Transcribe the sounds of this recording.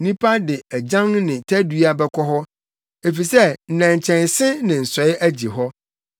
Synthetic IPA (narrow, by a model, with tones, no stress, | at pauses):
nĩ˦pʰa˦dɪ˨æ˨d͡ʑã˦ŋnɪ̃˨tʰæ˦du˦a˦bɛ˦kʰɔ˦ɦɔ˦ | e˨fi˨sɛ˦n̩˨nã˨ɲ˨t͡ɕʰɛ̃˨n˨sɪ̃˦nɪ̃˨n̩˨sɔ˨˦ɪ˦ʔæ˦d͡ʑi˨ɦɔ˦